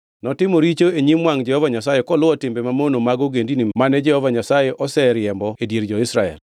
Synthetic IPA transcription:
nɔtɪmoɾit͡ʃoeɲimwaŋd͡ʒɛhɔvaɲasajekɔlʊwɔtɪmbemamonomaɡoɡendinimanɛd͡ʒɛhɔvaɲasajeʔɔsɛɾɪjɛmbɔedjeɾd͡ʒɔɪsɾaɛ̰l

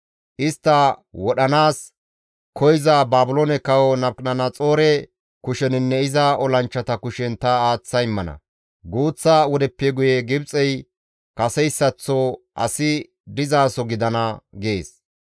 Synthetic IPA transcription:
ʔɪst̪ːɐwɔɗɐnaːs | kʰɔjzabaːbʊlonɛkɐwɔnɐbkʼnɐnɐt͡sʼoːɾɛ | kʊʃɛnɪnːɛɪzɐɔlɐnt͡ʃːɐt̪ɐkʊʃɛnt̪ɐaːt͡sːɐjɪmːɐnɐ̰ | ɡuːt͡sːawɔd̪ɛpːɛɡʊjɛɡɪbt͡sʼɛj | kɐsɛjsːɐt͡sːɔʔɐ̰sɪ | d̪ɪzaːsɔɡɪd̪ɐnɐɡe̞̰ːs

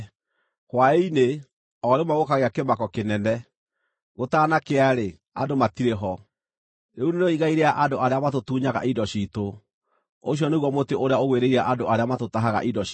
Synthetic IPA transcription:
kwaeine | ɔɾemaɣokaɣeakemakɔkenɛnɛ | ɣotaːnakeaɾe | a̰ndomatiɾeɦɔ | neunenoiɣaiɾeaʔandoʔaɾeamatotuɲaɣa̰ʔidɔɕito | oɕ̬iɔneɣwɔmoteʔoɾeaoɣweɾeiɾaʔandoʔaɾeamatotaɦaɣa̰ʔidɔ

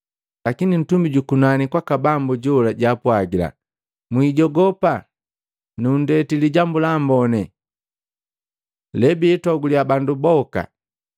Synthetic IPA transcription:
lakinin̩tumbiɟukunanikwakabambuɟɔlaɟaːpwaɡila̰ | mwiɟɔɡɔpa | nundɛtiliɟambulaːmbɔnɛ | lɛbiɛtɔɡuliabandubɔka̰

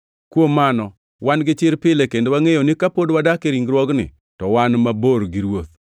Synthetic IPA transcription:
kwomanɔ | wanɡɪt͡ʃɪɾpɪlekendewaŋejonɪkapodwadakeɾiŋɡɾwɔɡnɪ̰ | tɔwanmaboɾɡɪɾwot̪̚

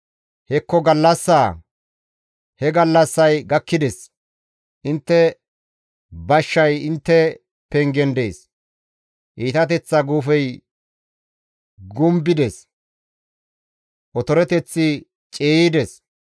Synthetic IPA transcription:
hɛkːɔɡɐlːɐsːaː | hɛɡɐlːɐsːɐjɡɐkːɪd̪ɛs | ʔɪnt̪ːɛ | bɐʃːɐjɪnt̪ːɛ | pɛŋɡɛnd̪e̞ːs | ʔiːt̪ɐt̪ɛt͡sːɐɡuːfɛj | ɡʊmbɪd̪ɛs | ʔɔt̪ɔɾɛt̪ɛt͡sːɪ | t͡ʃʼeːjɪd̪ɛs

